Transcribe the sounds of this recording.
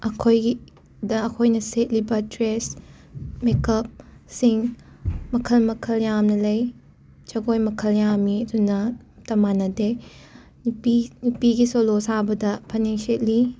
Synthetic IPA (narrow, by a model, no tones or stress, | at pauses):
ʔɐkʰoji | dɐːkʰojnɐset̚libɐtɾes | mekɐp̚siŋmɐkʰɐlmɐkʰɐljamnɐlɐj | t͡ʃɐɡojmɐkʰɐljamːiɐdunɐ | tɐmanɐde | nipinupiɡisolosabɐdɐpʰɐjnenset̚li